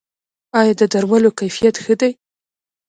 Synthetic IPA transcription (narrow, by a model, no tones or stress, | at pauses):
ɑjɑd̪əd̪aɾmalokajfijat̪xəd̪aj